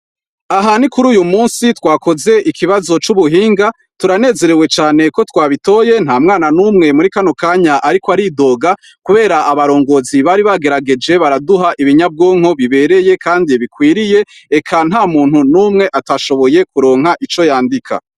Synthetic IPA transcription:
aɦanikuɾuːjumuːnsitwaːko̞ze̞ʔikʰiβazo̞t͡ʃuβuɦiːŋɡa | tuɾane̞ːze̞ɾewe̞t͡ʃaːne̞ko̞twaːβito̞je̞n̥haːmŋaːnanuːmŋe̞muɾikanokaːɲaʔaɾikoaɾido̞ːɡa | kuβe̞ːɾaʔaβaɾo̞ːŋɡo̞ːziβaːɾiβaɡe̞ɾaɡe̞d͡ʒe̞βaɾaduɦaʔiβiɲab̚ɡoːŋ̥ho̞βiβe̞ɾe̞je̞kʰaːndiβikwiːɾije̞ekʰan̥ɦaːmuːn̥hunumŋe̞ʔataʃo̞βo̞je̞kuɾo̞ːŋɦaʔit͡ʃo̞jaːndikʰa̰

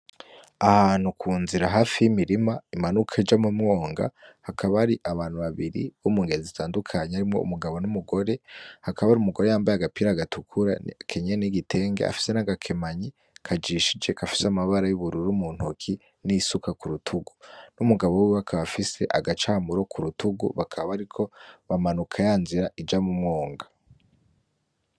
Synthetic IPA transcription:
ahaːn̥hukʰuːnziɾaɦaːfijimiɾimaimanukʰaid͡ʒamumŋo̞ːŋɡa̰hakʰaβaɾiʔaβaːn̥huβaβiɾḭβomuːŋɡe̞ziitaːndukʰaɲeaɾimŋo̞ṵmuɡaβo̞numuɡo̞ɾe̞hakaβaɾiumuɡo̞ɾe̞jaːmbajaɡapiːɾaɡatukʰuɾa̰kʰeɲeniɡitʰe̞ːŋɡḛa̰fi̥se̞naɡakʰe̞maɲi | kʰad͡ʒiːʃid͡ʒe̞kafi̥samaβaɾajuβuɾuɾumuːn̥hukʰi | nisukakuɾutʰuɡu̥numuɡaβo̞wiβakʰaβafise̞ʔaɡat͡ʃaːmuɾo̞kʰuɾutʰuɡṵβakʰaβaβaɾikʰo̞βamanukʰajaːnziɾaʔid͡ʒamumŋo̞ːŋɡa

